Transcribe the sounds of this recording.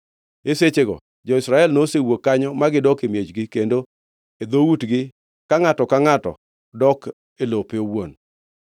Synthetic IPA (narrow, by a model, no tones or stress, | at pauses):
eset͡ʃeɡɔ̰ | d͡ʒɔɪsɾaɛlnosewokːaɲɔmaɡɪdɔkemjed͡ʒɡɪkendo | ed̪owutɡɪ | kaŋatɔkaŋatɔ̰ | dɔk | elopeowon